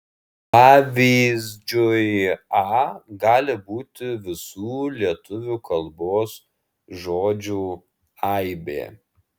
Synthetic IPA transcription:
pɑːʋʲiːzʲd͡ʒʲʊjɑːɡɑːlʲɪbuːt̪ʲɪʋʲɪsuːlʲiɛt̪ʊʋʲuːkʰɐlˠboːs | ʒoːd͡ʒʲuː | ɑɪbʲḛː

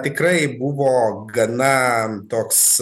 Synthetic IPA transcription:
t̪ʲɪkrɐɪbʊʋoːɡɐnɐt̪oːks

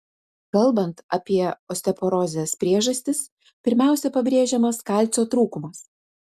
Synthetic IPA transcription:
kɐlˠˑbɐnt̪ɐpʲiɛɔsʲt̪ʲɛpɔɾɔːzʲɛspʲɾʲiɛʒɐsʲt̪ʲɪs | pʲɪɾʲmʲæˑʊsʲɛpɐbʲɾʲeːʒʲɛmɐskɑˑlʲt̪sʲoːt̪ɾuːkʊmɐs

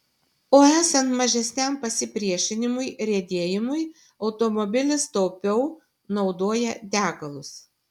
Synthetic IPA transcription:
oːæːsɐnt̪mɐʒʲɛsʲnʲɛmpɐsʲɪpʲɾʲiɛʃʲɪnʲɪmʊɪɾʲeːd̪ʲeːjɪmʊɪ | ɒʊt̪ɔmɔbʲɪlʲɪst̪ɔʊpʲɛʊ | nɒʊd̪oːjɛd̪ʲæːɡɐlˠʊs

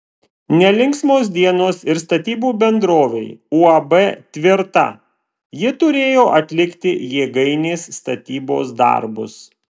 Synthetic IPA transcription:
nʲɛlʲɪŋksmoːs̬d̪ʲiɛnoːsɪɾst̪ɐt̪ʲiːbuːbʲɛnd̪ɾoːʋʲɛɪuɐbɛt̪ʲʋʲɪɾt̪ɐ̰ | jɪt̪ʊɾʲeːjoːʔɐt̪ʲlʲɪkt̪ʲɪjeːɡɐɪnʲeːsːt̪ɐt̪ʲiːbo̰ːsd̪ɐ̰ɾbʊs

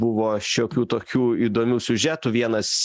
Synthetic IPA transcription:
bʊʋoːʃʲoːkʲuːt̪oːkʲuːiːd̪oːmʲuʊsʲʊʒʲæt̪uʋʲiɛnɐs

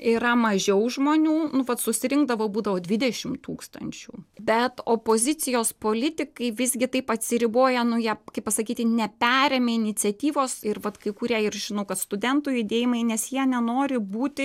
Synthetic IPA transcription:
iɾɐmɐʒʲɛʊʒmoːnʲuːnʊʋɐt̪sʊsʲɪɾʲɪŋɡd̪ɐʋoːbuːd̪ɐʋoːdʲʋʲɪd̪ʲɛʃʲɪmt̪uːkst̪ɐ̰nʲt͡ʃʲṵːbʲɛt̪oːpoːzʲɪt̪t͡s̪ʲɪjoːspoːlʲɪt̪ʲɪkɐɪʋʲɪzʲɡʲɪt̪ɐɪpɐt̪ʲsʲɪɾʲɪboːjɛnʊjiɛkɐɪpːɐsɐkʲiːt̪ʲɪnʲɛpʲæːɾʲeːmʲeːɪnʲɪt̪t͡s̪ʲɛt̪ʲiːʋoːsɪrʋɐt̪kɐɪkʊːɾʲiɛɪrʒʲɪnɐʊkɐt̪st̪ʊd̪ʲɛnt̪ʊːjʊd̪ʲeːjɪmɐɪnʲɛsjiɛnʲɛnoːɾʲɪbuːt̪ʲɪ

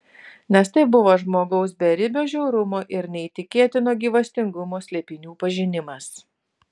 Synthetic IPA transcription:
nʲɛst̪ɐɪbʊʋoːʒmoːɡɐʊsbʲɛɾʲɪbʲoːʒʲɛʊɾʊmoːʔɪɾnʲɛit̪ʲɪkʲeɛt̪ʲɪnoːɡʲiːʋɐsʲt̪ʲɪŋɡʊmoːsʲlʲeːpʲɪnʲuːpɐʒʲɪnʲɪmɐs

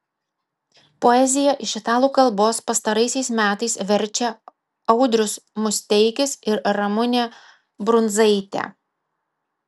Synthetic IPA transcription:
poɛzʲɪjɛʔɪʃʲɪt̪ɑːlˠuːkɐlˠboːspɐst̪ɐɾɐɪsʲɛɪsmʲæːt̪ɐɪsʋʲɛɾʲt͡ʃʲɛ | ɐʊd̪ʲɾʲʊsmʊsʲt̪ʲɛɪkʲɪsɪɾɾɐmʊnʲeː | bɾʊnzɐɪt̪ʲɛ̰

